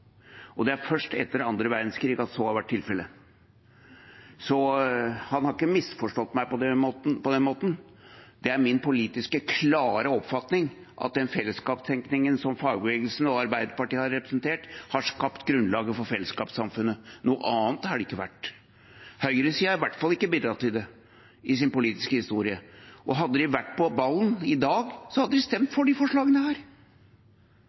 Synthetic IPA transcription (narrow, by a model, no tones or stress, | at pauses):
ɔd̪ɛæɾfœʂʈɛ̰t̪ːəɾɑnd̪ɾəʋæɾd̪nskɾiːɡɑt̪sɔhɑɾʋæʈʰːɪlfɛlə | sɔhɑnhɑɾɪkːəmɪsfɔʂʈɔt̪ːmæɪpɔd̪ɛopɔd̪ɛnmoːt̪n | d̪ɛæɾmɪnpʊliːt̪ɪskəkʰlɑːɾəɔpfɑt̪nɪŋ | ʔɑ̰t̪̚d̪ɛnfɛlːəskɑːpst̪ʰɛŋknɪŋənsɔmfɑːɡbəʋeːɡlsn̩ɔɑɾbæɪd̪əɾpɑʈiːəhɑɾɾɛpɾə̥snt̪ʰeːʈhɑʂkɑpt̪ɡɾʉnlɑːɡəfɔɾfɛlːəskɑ̰ːpsɑmfʉnːənuːə̰ʔɑːnt̪hɑɖɛɪkːəʋæ̰ʈː | hœʏɾəsiːɑɾɪʋæʈːfɑlːɪkːəbɪd̪ɾɑt̪ːɪld̪ɛ | ɪs̬ɪnpʊliːt̪ɪ̥skəhɪst̪uːɾɪəʔɔɦɑd̪ːəd̪ɪʋæʈːpʰɔbɑlːnɪd̪ɑːɡsɔhɑd̪ːəd̪ɪst̪ɛmt̪fɔɖɪfɔʂɭɑːɡənəhæːɾ